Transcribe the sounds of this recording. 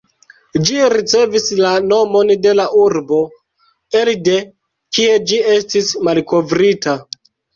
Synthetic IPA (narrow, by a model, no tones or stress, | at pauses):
d͡ʒiɾit͡se̞vislano̞mo̞nde̞laʔuɾbo̞ | elde̞ | kie̞d͡ʒie̞stismalko̞vɾita